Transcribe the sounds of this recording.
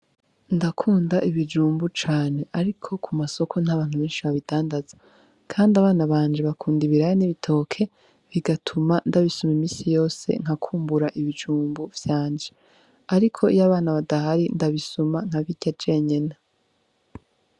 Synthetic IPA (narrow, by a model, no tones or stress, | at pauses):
ndakʰuːndaʔiβid͡ʒuːmbut͡ʃaːne̞ʔaɾikʰo̞kʰumaso̞kʰo̞n̥haβaːn̥uβeːnʃiβaβidaːndaz̥ḁ | kʰaːndaβaːnaβaːɲd͡ʒe̞βakʰuːndiβiɾajoniβitʰo̞kʰe̞ | βiɡatʰumandaβisumimiːsijo̞ːse̞̰ŋ̥hakʰuːmbuɾaʔiβid͡ʒuːmbuv̥jaːnd͡ʒe | aɾikʰo̞ijaβaːnaβadaɦaɾindaβisumaŋ̥haβiɟ̥ad͡ʒe̞ɲe̞na